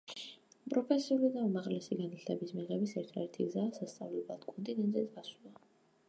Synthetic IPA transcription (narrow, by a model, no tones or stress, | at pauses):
pʼɾɔpʰɛsiulid̪aumaʁlɛsiɡanit̪ʰt̪ʰɛbismiʁɛbisɛɾt̪ʰaɛɾt̪ʰiɡzaːsast̪sʼa̰vlɛblˠa̰d̪̥kʼɔnt̪ʼinɛnʼit̪ɡasulˠa